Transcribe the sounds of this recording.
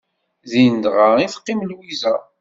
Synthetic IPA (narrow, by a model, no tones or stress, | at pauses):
ðind̪ʁaiθqːimlwizæ